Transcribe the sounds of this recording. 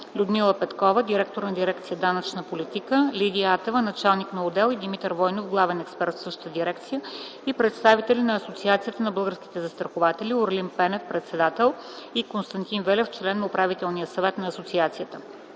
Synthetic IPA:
lʲud̪milˠəpɛt̪kɔvəd̪iɾɛk̚t̪oɾnɐd̪iɾɛk̚t̪sijəd̪anɐt͡ʃnəpolʲit̪ikəlʲid̪ʲiat̪ɛvənɐt͡ʃalˠniknɐʊd̪ɛlˠid̪imit̪əɾvɔjnofɡlˠavɛnɛkspɛɾt̪sɤʃt̪ə̥̆t̪əd̪iɾɛk̚t̪sijə | ipɾɛt̪st̪avit̪ɛlinɐːsot̪siat̪sijət̪ənɐbɤlˠɡəɾskʲi̥t̪ɛzəst̪ɾəxʊvat̪ɛlʲiʊɾlinpɛnɛfpɾɛt̪sɛd̪at̪ɛlˠ | ikonst̪ɐnt̪invɛlʲɛft͡ʃlɛnːɐʊpɾavit̪ɛlˠnijəsɐvɛt̪nɐːsot̪siat̪sijət̪ə

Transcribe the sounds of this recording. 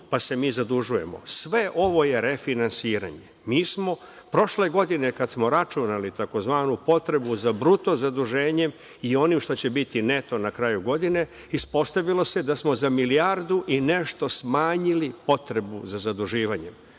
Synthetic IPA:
pase̞miːzad̪uʒuje̞̰mo̞̰sʋe̞ʔo̞ʋo̞je̞ɾe̞finansiːɾa̰ɲe | miːsmo̞ | pɾo̞ʃle̞ɡo̞d̪ine̞kad̪smo̞ɾat͡ʃunalit̪ako̞zʋaːnupo̞t̪ɾe̞buzabɾut̪o̞zad̪uʒe̞ːɲe̞m | io̞nimʃt̪o̞t͡ɕe̞bit̪ine̞t̪o̞nakɾaːjuɡo̞d̪ine̞ | ispo̞st̪aʋilˠo̞se̞d̪asmo̞zamiliaɾd̪uʔine̞ʃt̪o̞smaːɲilipo̞t̪ɾe̞buzazad̪uʒiːʋaɲe̞m

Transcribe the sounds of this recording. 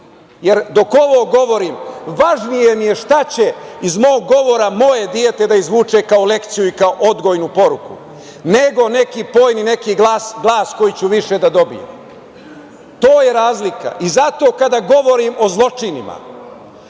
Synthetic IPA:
je̞ɾd̪o̞ko̞ʋoːɡo̞ʋo̞ɾiːmʋaʒnije̞mije̞ʃt̪at͡ɕe̞izmoːɡːo̞ʋo̞ɾamo̞je̞d̪ie̞t̪e̞d̪aizʋuːt͡ʃe̞kaole̞kt̪sijuikaoʔod̪ɡo̞jnupo̞ɾukṵ | ne̞ɡo̞ne̞kiːpo̞ːjnine̞kiːɡasɡlˠaːsko̞jit͡ɕuʋiʃe̞d̪ad̪o̞bḭjḛ | t̪oːje̞ɾaːzlika̰ʔizat̪o̞ːkad̪aɡo̞ʋo̞ɾiːmo̞zlˠo̞t͡ʂinḭma̰

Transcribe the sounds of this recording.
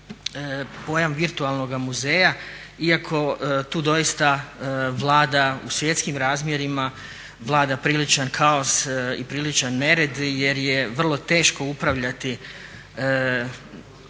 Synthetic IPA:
po̞jamʋiɾt̪ualˠno̞ɡamuze̞ːja | iakʰo̞t̪uːd̪o̞jist̪aʋlˠaːd̪ausʋje̞t̪skimɾaːzmje̞ɾima | ʋlˠaːd̪apɾilit͡ʃankʰao̞sipɾilit͡ʃanːe̞ɾe̞d̪je̞ɾjeʋr̩lˠo̞t̪e̞ːʃko̞upɾaʋʎat̪i

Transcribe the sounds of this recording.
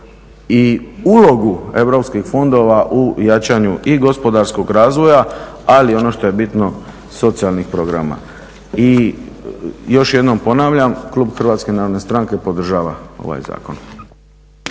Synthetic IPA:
iulo̞ɡue̞ʋɾo̞pskixfo̞nd̪o̞ʋaʔujat͡ʃaɲuʔiɡo̞spo̞d̪aɾsko̞ɡɾaːzʋo̞ja | alio̞no̞ʃt̪o̞je̞bit̪no̞ | so̞t̪sialnixpɾo̞ɡɾa̰ma̰ | i | jo̞ʃje̞d̪no̞mpo̞naːʋʎamkluːbxr̩ʋaːt̪ske̞naːɾo̞d̪nest̪ɾaŋke̞po̞d̪r̩ʒaːʋao̞̰ʋa̰jza̰ːko̞̰n

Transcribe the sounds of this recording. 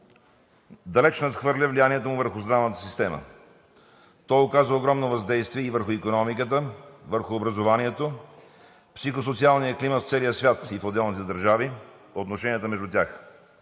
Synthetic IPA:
d̪ɐlɛt͡ʃnɐt̪xvɤɾlʲəvlijaniɛt̪əmʊvəɾxʊzd̪ɾavnət̪ə̥sist̪ɛmə̰ | t̪ɔjokazvəoɡɾɔmnovɐzd̪ɛjst̪viɛivəɾxʊikonɔmikət̪̬əvəɾxʊːbɾəzovaniɛt̪o | psixos̬ot̪sialˠnijəkliməft̪sɛlijəsvʲjat̪ifod̪ɛlˠnit̪ɛd̪əɾʒavi | ot̪noʃɛnijət̪əmɛʒd̪ʊt̪ʲax

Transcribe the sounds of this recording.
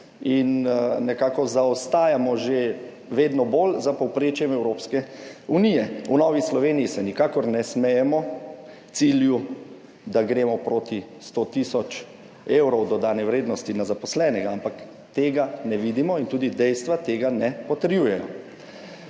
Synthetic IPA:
innɛkaːkɔzaɔst̪aːjamɔʒe | ʋeːd̪nɔboːlzapɔwpɾeːt͡ʃjɛmɛwɾoːpskɛunijɛunɔːʋislɔʋeːnijisɛnikaːkɔɾnɛsmɛjɛmɔ | t̪silju | d̪aɡɾeːmɔpɾoːt̪ist̪oːt̪isɔt͡ʃ | eːwɾɔwd̪ɔd̪aːnɛwɾeːd̪nɔst̪inazapɔslɛːnɛɡaampak | t̪eːɡanɛʋiːd̪imɔint̪uːd̪id̪ɛjst̪ʋat̪eːɡanɛpɔt̪əɾjujɛjɔ̰

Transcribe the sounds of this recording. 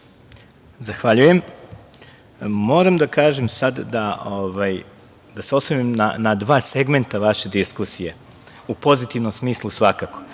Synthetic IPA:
zaxʋaʎuje̞m | mo̞ːɾamd̪akaːʒemsad̪d̪aoʋaj | d̪aseo̞somimna̰nad̪ʋaːse̞ɡme̞nt̪aʋaʃe̞d̪iskusije | upo̞zit̪iʋnomsmiːslˠusʋakako̥

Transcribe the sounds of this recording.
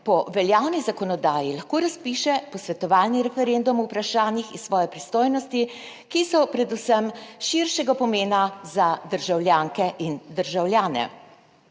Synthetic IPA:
pɔʋɛljaːwnizakɔnɔd̪aːjilaxkoːɾaspiʃɛpɔsʋɛt̪ɔʋaːlniɾɛfɛɾend̪umuwpɾaʃaːnixisʋɔːjɛpɾist̪oːjnɔst̪i | kisɔpɾɛd̪usəmʃiɾʃɛɡapɔmeːnazad̪əɾʒawljaːŋkɛʔind̪əɾʒawljaːnɛ̰

